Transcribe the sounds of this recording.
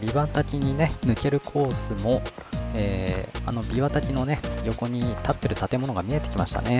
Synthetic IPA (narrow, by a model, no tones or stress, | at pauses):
bʲiβat̪akʲiɲ̟ine̞nɯ̟ke̞ɾɯ̟kʰo̞ːsɨmo̞eːa̰no̞bʲiβat̪akʲino̞ne̞jo̞ko̞ɲ̟it̪at̪ːe̞ɾɯ̟t̪at̪e̞mo̞no̞ɡamʲie̞t̪e̞kʲima̰ɕi̥t̪a̰ne̞